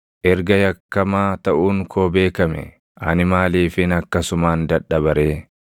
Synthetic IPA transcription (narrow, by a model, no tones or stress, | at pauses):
ʔɛɾɡɐjɐkːɐmaːt̪ɐʔuːŋkʰoːbe̞ːkɐmɛ̰ | ʔɐnɪmaːliːfɪnɐkːɐsʊmaːnd̪ɐᶑɐbɐɾeː